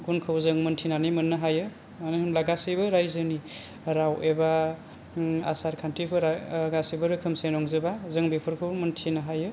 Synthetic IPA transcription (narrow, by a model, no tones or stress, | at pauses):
ɡunkʰɯwzɯŋmɯntʰinanimɯnːɯɦajɯ | anihɯmlaɡasɯjbɯɾajzɯni | ɾawʔeba | a̰saɾkʰantʰipʰɯɾaɡasijbɯɾɯkʰɯmsenɔŋzɯbazɯŋbepʰɯɾkʰɯwmɯntʰinaɦajɯ